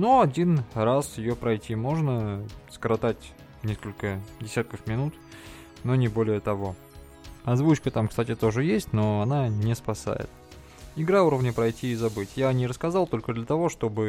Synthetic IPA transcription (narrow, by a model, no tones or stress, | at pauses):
noɐdʲinrasjɪjopɾɐjtʲimo̞ʐnəskɾɐt̪atʲ | nʲeskəlʲkədʲɪsʲat̪̚kəfmʲɪnut̪ | no̞nʲɪbo̞lʲɪjət̪ɐvo̞ | ɐzvut͡ɕkət̪amkst̪atʲɪt̪o̞ʐɨjesʲtʲno̞ɐnanʲɪspɐsa̰jɪ̰t̪ | ɪɡɾauɾəvnʲəpɾɐjtʲiːzɐbɨtʲjanʲɪɾəskɐzɑlˠt̪o̞lʲkəd̪lʲət̪ɐvo̞ʂt̪o̞bɨ